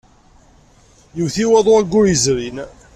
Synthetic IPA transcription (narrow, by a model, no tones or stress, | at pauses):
juwθiwæðˤoæɡʷːʊɾjəzɾin